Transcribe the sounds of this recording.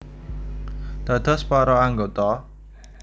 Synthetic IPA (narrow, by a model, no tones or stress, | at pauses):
d̪̥a̤d̪̥ɔ̤spɔɾɔaŋɡot̪ɔ